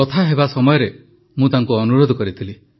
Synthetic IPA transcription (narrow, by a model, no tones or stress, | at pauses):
ɔt̪ʰaɦebasɔmɔjɔɾe | mũt̪aŋkuɔnuɾod̪ʱɔkɔɾit̪ʰili